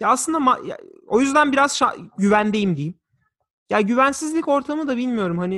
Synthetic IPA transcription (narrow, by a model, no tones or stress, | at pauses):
jaːslɯnd̪amaja̰o̞jyzd̪ænbiɾazʃa̰ɟyvænd̪ejimd̪ejim | jaːɟyvænsizlʲico̞ɾt̪ʰamɯd̪abilʲmijo̞ɾumhanɪ